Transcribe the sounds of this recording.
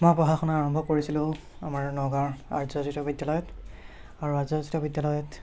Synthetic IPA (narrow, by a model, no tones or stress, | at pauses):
mɔjpɹɔɦaxɔnaaɹɔmbʱɔkoɹisilʊ̃ | a̰maɹnɔɡaɹa̰ɹzɔzitɔbidjalɔjɔt | aɹuazɔzitɔbidjalɔjɔt